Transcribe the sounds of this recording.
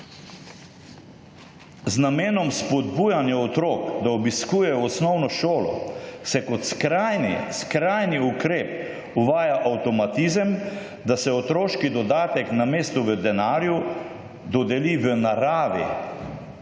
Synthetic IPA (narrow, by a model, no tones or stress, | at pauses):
znameːnɔmspɔd̪bujanjaɔt̪ɾoːkd̪aɔbiskuːjɛɔsnɔwnɔʃoːlɔ̰sɛkɔt̪skɾajnskɾajniukɾeːp | uʋaːjaʔawt̪ɔmat̪izəm | d̪asɛɔt̪ɾoːʃkid̪ɔd̪aːt̪ɛknameːst̪uʋəd̪ɛnaːɾju | d̪ɔd̪ɛliʋənaɾaːʋḭ